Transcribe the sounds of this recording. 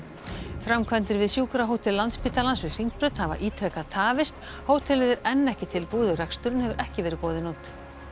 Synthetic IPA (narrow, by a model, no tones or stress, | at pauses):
fɾamkʰvɛnt̪ɪɾvɪðsjuːkɾaɦoːwt̪ʰɪllːant̪spiːt̪alansvɪ̥r̥iŋkpɾʏt̪hava̰ʔiːt̪ʰɾɛkat̪ʰaːvɪst̪ | hoːwt̪ʰɛlɪðɪɾɛnːɛhcɪt̪ʰɪlpuːðʏrɛkst̪ʏɾʏnhɛvʏɾʔɛhcɪvɛːɾɪkɔːðɪnunt̪